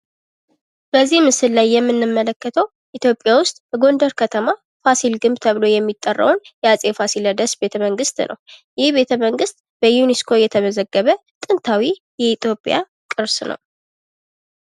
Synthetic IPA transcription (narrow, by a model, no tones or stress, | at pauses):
b̥əzːihmɨsɨlːajːɛmːɨnːɨmːələkːət̪ʰəw | ʔit̪ʰjo̞pʼːjawʊst̪ʼbəɡo̞nd̪əɾkʰət̪ʰəma | fasilɡɨmbt̪ʰəβɨlo̞jɛmːit̪ʼːərːə̰wnjɛasʼefasiləd̪əsbe̞t̪ʰəməŋɡɨst̪nʔə̰wjɪhbe̞t̪ʰəməŋɡɨst̪ʼbəjuniskʰo̞jɛt̪ʰəməzəɡːəβət̪ʼɨnt̪ʰawi | jɛit̪jo̞pʼja̰ | kʼɨɾsnə̰w